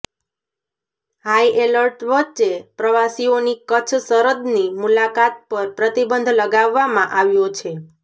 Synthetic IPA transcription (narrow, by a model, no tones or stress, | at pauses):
haiʔeləɾʈʋəʃepɾəʋasionikət͡ʃʰsəɾəd̪nimulakat̪̚pəɾpɾət̪ibənd̪ʱləɡaʋːamãʔaʋjõt͡ʃʰe